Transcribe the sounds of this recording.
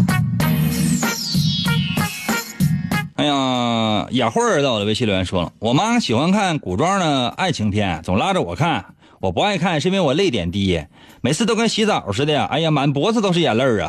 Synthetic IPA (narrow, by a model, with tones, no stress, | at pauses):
a˥jɑ˧ja˨˩xwə˥ə˧˥t̪d̪ə˧˥ɪɕi˥˧ljɛ˧˥nʂwɔ̰˥lə̰˩wɔ˨˩ma˥ɕi˨˩xwa˥nkʰa˥˩nku˨˩ʈ͡ʂwɑ˥d̪ə˨a̰˥˩ɪt͡ɕʰi˧˥ŋpʰjɛ̰˥˩t͡sʊ˨˩ŋla˥ʈ͡ʂə˨wɔ˨˩kʰa˥˩n | wɔ˨˩pu˧˥a˥˧ɪkʰa˥˩nʂə˥pɛ˧˥nwɔ˨˩le˥˩ɪt̪̬jɛ̰˨˩nt̪i˥˩ɛ˥˩ | me˨˩ɪt͡sʰɹ̩˥˧t̪o˥ʊka˥nɕi˧˥t͡sa˨˥˩ʂɻ̩˥d̪ə˧a̰˩ʔa̰˧˥ɪja˧˩ma˧˥npwɔ˧˥t͡sɹ̩˧t̪o˥ʊʂɻ̩˥˩jɛ˨˩lə˞˥˧ə̰˩